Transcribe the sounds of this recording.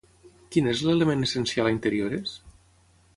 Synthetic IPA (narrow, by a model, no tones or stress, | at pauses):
kinezlelemenesensialaint̪əɾioɾes